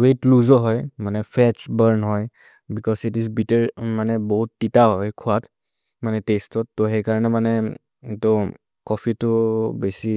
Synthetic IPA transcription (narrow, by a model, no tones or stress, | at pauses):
wetluzɔɦɔjmanɛpʰɛt͡ʃbəɹnɦɔj | bikɔsitizbitɛɹmanɛbɔɦutːitaɦɔjkʰʊat | manɛtestɔtːɔɦejkaɹɔnɛmanɛ | itɔ | kɔpʰitʊbesi